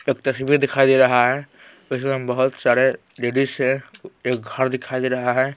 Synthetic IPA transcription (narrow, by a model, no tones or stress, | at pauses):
eːk̚t̪ɐsbid̪ɪkʰaid̪eɾɐɦaɦɛ | ʊs̬mebɐɦʊt̪saɾe | ɖeɖiseeːk̚ɡʱəɾd̪ɪkʰaid̪eɾɐɦaɦɛ